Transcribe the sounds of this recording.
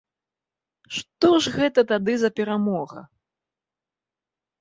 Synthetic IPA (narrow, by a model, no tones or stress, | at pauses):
ʂt̪ɔʐɣɛt̪ɐt̪ad̪ɨzɐpʲɛɾamɔɣɐ̰